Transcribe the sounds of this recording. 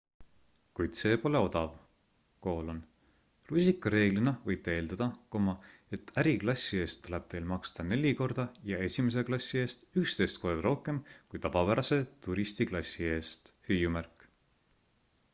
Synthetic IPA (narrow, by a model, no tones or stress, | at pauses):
kujd̪̥se̞ːpo̞le̞o̞d̪̥ɑv | ko̞ːlon | lusʲikːˑɑɾe̞ːɡ̥linɑvɤjb̥̚t̪eeːld̪̥ɑd̪̥ɑko̞mɑe̞t̪ːæɾiklɑsʲːie̞ːst̪ːule̞b̥̚t̪e̞jlmɑkst̪ɑne̞lʲiko̞rd̪̥ɑjɑe̞sʲimes̬e̞klɑsʲːie̞ːst̪ykst̪e̞jst̪ko̞rd̪ɑɾo̞hke̞mkujt̪ɑvɑpæɾɑse̞t̪uɾist̪iklɑsʲːie̞ːst̪hyjumærkˑ